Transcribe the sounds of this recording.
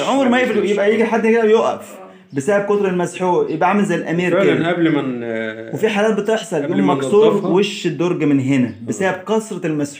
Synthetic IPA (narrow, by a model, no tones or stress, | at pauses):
ʕomɾmæjebijebʔæjiːɡiħad̪ːked̪æbjoʔæ̰f | besæːʔeb̚kot̪ˤɾelmæsħuːjebʔæʕamlzælʔæmiːɾkeæʔæblmenwefiħaːlæːt̪̚bet̪eħsˤɑljoːmːɑksˤuːɾˤweʃːed̪ːoɾˤɡæmenɦenæbesæːʔeb̚kɑsˤɾˤɑelmæsħ